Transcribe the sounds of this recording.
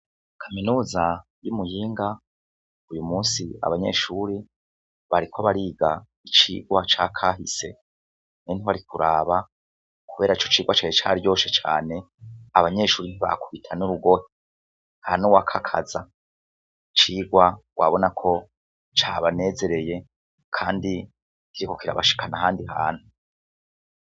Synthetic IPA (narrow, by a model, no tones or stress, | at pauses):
kʰaminuːzajumujiːŋɡa | ujumuːnsia̰βaɲe̞̰ːʃuːɾi | βaɾikʰoβaɾiːɡa | it͡ʃḭːɡwat͡ʃakʰaːɦḭse̞ | nen̥iβaɾikuɾaːβa | kuβe̞ːɾait͡ʃot͡ʃiːɡwat͡ʃanet͡ʃa̰ːɾjo̞ʃet͡ʃa̰ːne̞ | aβaɲe̞ːʃuːɾiniβa̰kuβitʰanuɾuɡo̞he | hanuwakʰakʰaza | t͡ʃiːɡwawʔa̰βo̞nakʰo̞ | t͡ʃaβane̞ːze̞ɾe̞je̞ | kʰaːndi | kiɾiko̞kiɾa̰βaʃi̥kanaɦaːndiɦa̰ːn̥hu